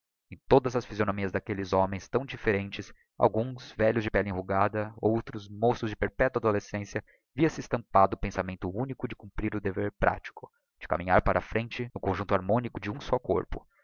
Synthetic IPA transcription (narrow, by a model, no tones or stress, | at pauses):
ẽj̃t̪od̪ɐzɐsfizionomiɐzd̪akelɪzomẽj̃st̪ɐ̃w̃d͡ʒifeɾẽnt͡ʃɪs | a̰wɡũzvɛʎʊzd͡ʒɪpɛlẽɦuɡad̪ɐowt̪ɾʊzmosʊzd͡ʒɪpeɾpɛt̪wɐad̪olesẽsjɐ | viɐsɪːst̪ɐ̃mpad̪ʊːpẽsamẽnt̪ʊunikʊd͡ʒɪkũmpɾiɾʊd̪eveɾpɾʔa̰t͡ʃi̥kʊ | d͡ʒɪka̰mĩɲaɾpaɾʔɐfɾẽnt͡ʃɪnʊkõʒũnt̪ʊaɾmõnikʊd͡ʒɪũsɔko̰ɾpʊ̰